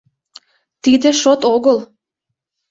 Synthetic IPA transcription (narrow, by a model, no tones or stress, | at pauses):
t̪id̪ə̆ʃot̪oɣəl